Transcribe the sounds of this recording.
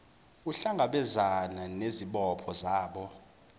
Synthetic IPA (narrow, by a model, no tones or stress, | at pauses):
uɬaŋaɓɛzananeziɓɔpʰɔzaːɓɔ